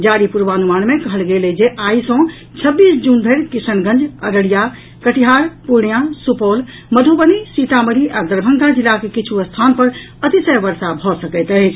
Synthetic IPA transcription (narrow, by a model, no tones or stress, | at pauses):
d͡ʒaɾipuɾʋanumanmekəɦəlɡeled͡ʒeʔaisɔ̃ | t͡ʃʰəbːisd͡ʒunbʱeɾkisənɡə̃nd͡ʒəɾəɽija | kəʈiɦaɾpuɽjãsupol | məd̪ʱubənisit̪aməɾiʔad̪əɾbʱəŋkad͡ʒilːakekit͡ʃʰuəst̪ʰanpəɾ | ət̪isəjbəɾsabʱɔsəkəjt̪əɦt͡ʃʰ